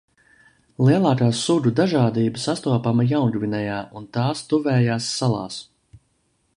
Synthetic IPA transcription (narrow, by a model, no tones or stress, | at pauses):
lˠiɛlˠaːkaːsud̪ud̪aʒaːd̪iːbəsast̪uɔpamɐjawnɡvinɛjaːʔunt̪aːst̪uvɛːjaːsːalˠɑ̰ːs